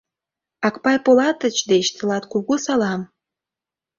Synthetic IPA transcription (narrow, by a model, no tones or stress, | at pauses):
ɑkpɑjpolɑt̪ə̆t͡ɕd̪et͡ɕt̪əlɑt̪kuɣusɑlɑm